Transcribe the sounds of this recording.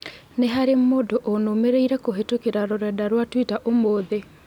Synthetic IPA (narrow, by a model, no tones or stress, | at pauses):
neɦaɾemoːdoʔonomeɾeiɾɛkoɦetokeɾaɾoɾɛdaɾwatwitaʔomoːðe